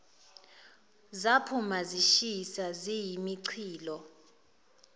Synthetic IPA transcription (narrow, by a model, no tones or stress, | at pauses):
zapʰumaziʃisazijimiǀʰiːlɔ